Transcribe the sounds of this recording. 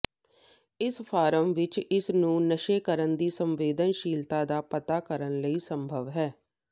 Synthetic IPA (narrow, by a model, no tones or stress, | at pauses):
ɪsfʰaːɾəmʋɪt͡ʃɪsnũːnəʃeːkəɾənd̪iːsəmʋeːd̪ənʃiːlt̪aːd̪aːpət̪aːkəɾənləiːsəmbʱəʋɦɛː